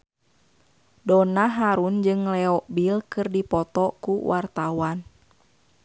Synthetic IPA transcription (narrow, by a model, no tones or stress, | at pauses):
dɔnaɦaɾund͡ʒɨŋlɛɔʔbilkɨrdipɔt̪ɔkuwʔart̪awan